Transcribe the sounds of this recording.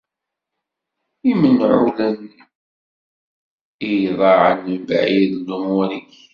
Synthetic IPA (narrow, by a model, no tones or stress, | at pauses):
imənʕṵlən | ijðˤɑʕə̰nbʕiðlumʊɾi